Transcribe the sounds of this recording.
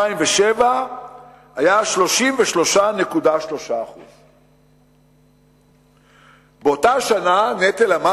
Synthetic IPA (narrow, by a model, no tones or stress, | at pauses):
aimveʃeva | ajaʃlo̞ʃimveʃlo̞ʃane̞kudaʃlo̞ʃaːχṵz̥ | beotaʃananet̪elama